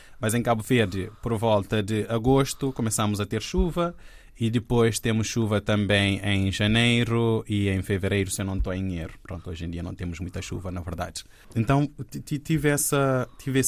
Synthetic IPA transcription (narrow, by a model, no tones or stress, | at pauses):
mɐzẽkabuveɾd̪ɨpɔɾvɔlˠt̪ɐd̪ɨɐɡoʃt̪ukomɨsamʊzɐt̪eɾʃuvɐ | id̪ɨpojʃt̪emʊʃʃuvɐt̪ɐ̃mbẽj̃ẽj̃ʒɐnejɾuiẽj̃fɨveɾejɾusenɐ̃w̃t̪oẽd̪ɲejɾupɾõt̪uoʒẽd̪iɐnɐ̃w̃t̪emʊʒmũj̃t̪ɐʃṵvɐnɐvɨɾd̪a̰d̪ɨ | ẽnt̪ɐ̃w̃t̪t̪it̪ivɛsɐt̪ʰivɛ